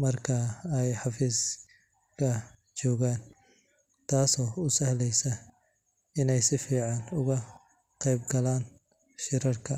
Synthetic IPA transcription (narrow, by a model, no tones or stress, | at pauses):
mɐrkʰɐɛjħɑfiːs | kʰɐ | t͡ʃɔːɣaːn | t̪ʰaːsɔːʊsɐhlɛjsɐ | ɪnɛjsɪfiːʕɑnʊɣɐ | qɛjbɡɐlaːn | ʃɪɾɐrkʰɐ